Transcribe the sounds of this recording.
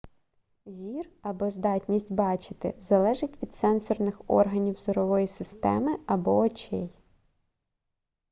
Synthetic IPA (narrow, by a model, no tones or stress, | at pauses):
zʲirɐbɔzd̪ɑtʲnʲisʲtʲbɑt͡ʃɪ̥t̪ɪ̰zɐlˠɛʒɪtʲʋʲid̪sɛnsɔrnɪxɔ̰rɦɐnʲiwzɔɾɔʋɔjisɪst̪ɛ̰mɪɐbɔːt͡ʃɛj